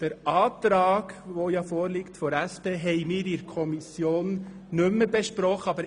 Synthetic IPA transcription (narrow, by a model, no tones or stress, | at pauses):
d̥əɾʔɑːt̪ɾɑːɡ̥ʋojɑfɔːɾliktfɔɾæspeːɦɛɪmiːɾɪɾkʰɔmisjoːn | nɵmːəbɛʃpɾɔχəɑbəɾ